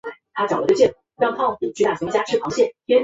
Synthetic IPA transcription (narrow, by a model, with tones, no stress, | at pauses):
t̪ʰa˥ʈ͡ʂɑ˨˩ʊlə˦˩˥t͡ɕjɛ˥˩nu˥˩t͡ɕɑ˥˧ŋk̪ʰɑ˥pi˨˩t͡ɕʰy˥˧t̪a˥˩ɕʰŋ˥˩t͡ɕa˥˧˩ʈ͡ʂʰɻ̩˥˩pʰɑ˧˥ŋɕjɛ˥˩nʰjɛ˥n